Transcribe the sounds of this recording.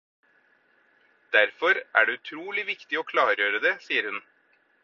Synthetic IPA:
d̪̥æɾfɔɾʔæ̰ːɖeʉt̪ʰɾuːlɪʋɪkt̪ɪoːkʰlɑːɾjøːɾəd̪eːsiːəɾhʉn

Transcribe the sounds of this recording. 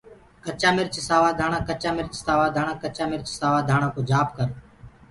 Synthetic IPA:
kət͡ʃaːmɪɾt͡ʃsaːʋaːd̪ʱaːɳ̃ãːkət͡ʃaːmɪɾt͡ʃsaːʋaːd̪ʱaːɳãːkət͡ʃaːmɪɾt͡ʃsaːʋaːd̪ʱaːɳ̃ãːkoːd͡ʒʱaːpkəɾ

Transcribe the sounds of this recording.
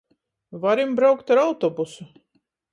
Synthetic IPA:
vaɾimbɾawkt̪aɾawt̪ɔbusu

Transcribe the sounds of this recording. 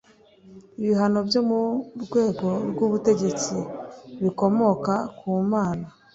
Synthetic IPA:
iβiɦano̞bjo̞muɾɡwe̞ːɡo̞ɾɡuβute̞ɟe̞t͡siβiko̞mo̞kakʰuːmaːna

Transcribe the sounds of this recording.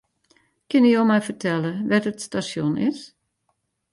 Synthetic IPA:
kɪnijowmɛjfərtʰɛləʋɛtətstasjonɪ̰s

